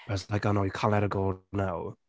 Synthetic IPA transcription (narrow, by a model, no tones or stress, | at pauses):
b̥slaɪkonoʊjəkʰãːnʔlɛɾəɡoʊlnaw